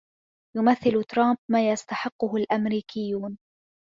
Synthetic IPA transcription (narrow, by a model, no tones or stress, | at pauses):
jʊmaθːɪlʊt̪ɾˤɑmb̚maːjast̪aħɪqːʊɦʊlʔamɾiːkɪjːuːn